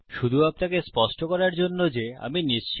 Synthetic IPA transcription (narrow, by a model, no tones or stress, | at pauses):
ʃud̪ʱuapnakespɔʃʈokɔɾaɾd͡ʑonːod͡ʑea̰miniʃt͡ɕ